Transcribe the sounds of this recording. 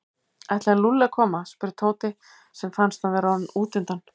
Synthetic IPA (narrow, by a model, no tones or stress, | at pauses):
ɛjht̪lɪalulːɪakʰɔːmaspɪɾɪt̪ʰoːwt̪ɪ | sɛmfanst̪anvɛɾannuːt̪ɪnt̪an